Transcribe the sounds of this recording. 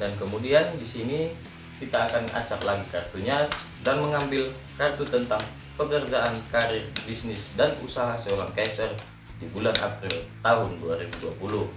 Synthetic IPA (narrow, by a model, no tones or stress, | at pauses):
dankəmudiandisini | kit̪aːkana̰t͡ʃaklaɡikart̪uɲa | danməŋambɪl | kart̪ut̪ənt̪aŋ | pəkərd͡ʒaʔankaɾɪrbisnɪsdanṵsaɦasəoɾaŋkansər | dibulanʔa̰pɾɪlt̪aɦʊnduaɾibuduapulʊh